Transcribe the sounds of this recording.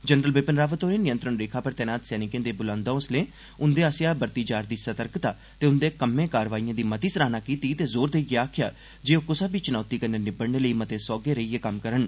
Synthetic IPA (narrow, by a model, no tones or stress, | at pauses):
d͡ʒənɾəlbɪpənɾaːʋət̪oːɾeːnɪjə̃nt̪ɾəɳɾeːkʰaːpəɾt̪ɛːnaːt̪sɛːnɪkẽːd̪eːbʊlãːnd̪ãːʊslẽː | ʊnd̪eːəsjaːbəɾt̪iːd͡ʒaːɾd̪iːsət̪əɾkt̪aː | t̪eːʊnd̪eːkəmẽːkaːɾʋaːijãːd̪iːmət̪iːsɾaːnaːkiːt̪iːt̪eːzoːɾd̪eːiːɡeaːkʰja̰ː | d͡ʒeːoːkʊsaːbiːt͡ʃʊnaːt̪iːkəneːnɪbəɽneːləiːmət̪eːsɔːɡeːɾəiːeːkəmkəɾəɳ